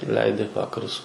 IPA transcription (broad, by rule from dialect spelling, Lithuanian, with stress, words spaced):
ˈlʲɛɪdʲɪ ˈʋɑːkɐrʊs